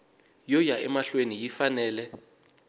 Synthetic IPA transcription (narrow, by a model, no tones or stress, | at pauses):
jɔjaʔɛmaɬwenijifanɛːlɛ